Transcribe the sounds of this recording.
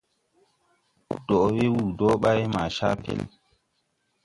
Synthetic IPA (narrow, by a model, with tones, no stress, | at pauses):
d̥ɔ˨we˦wuː˨dɔ˦ɓa˦jma˨ʃa̰˦pḛ˨l